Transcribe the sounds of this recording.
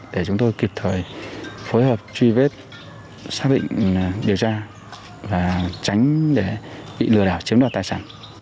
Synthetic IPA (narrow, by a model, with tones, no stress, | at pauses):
ɗe˧˩t͡ɕʊ˨˦ŋ͡mt̪o˧jki˨˩p̚t̪ʰəː˨˩jfoː˨˦jɦəː˨˩p̚t͡ɕwi˧ve˦˥t̚ | saː˦˥k̚ɗḭ̈˧˨ŋ̟ɗi˨˩əwt͡ɕaː˧ | vaː˨˩t͡ɕa˨˦jŋ̟ɗe˧˩ɓḭ˧˨lɨ˧˩əɗaː˧˩wt͡ɕi˨˦mɗaː˨˩t̪̚aː˨˩jsaː˧˩n